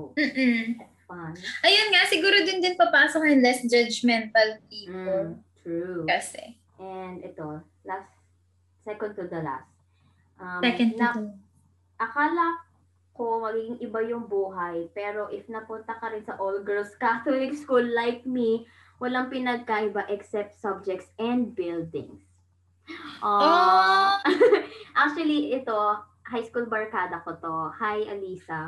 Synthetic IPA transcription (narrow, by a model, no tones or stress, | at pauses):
m̩ːɐt̪sfanʔɐjonŋasɪɡuːɾod̪ɪnd̪ɪnpɐpaːsokjɐŋlɛsd͡ʒɐd͡ʒmɛnt̪ɐlp̚iːot̪ɹukɐsɛ̰ | ʔɛnd̪ʔɛt̪o̞ | last̪ | sɛkɔ̃n̚t̪ʊd̪ɐla̰st̪̚ | ʔɐmɛkɛn̚nɐ | ʔɐkaːlɐ | ko̞mɐɡiɡɪŋʔɪbajʊŋbuːɦɐjpɛːɾo̞ʔɪfnɐpʊnt̪ɐkɐɾɪnsɐʔolɡɛlskat̪olɪkskulːajk̚mi | wɐlaŋpɪnɐɡ̚kɐʔɪbaʔɛksɛp̚t̪sɐb̚d͡ʒɛk̚t̪sɛnd̪̚bɪld̪ɪ̰ŋs | ʔo | ʔak̚t͡ʃuɐliʔɛt̪o̞ | ɦajskulbɐɹkaːd̪ɐkot̪ohajʔɐliːsɐ